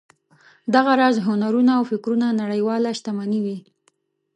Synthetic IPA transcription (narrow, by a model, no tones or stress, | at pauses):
d̪aɣaɾɑzɦʊnaɾunaːwfɪkɾunanaɽəjwɑlaʃt̪amaniwi